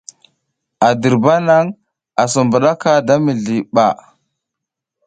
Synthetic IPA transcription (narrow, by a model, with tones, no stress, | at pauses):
a˨di˨ɾba˦na˦ŋ | a˨sə˨mbu˨ɗa˦ka˦da˦mi˨ɮi˨ɓa˨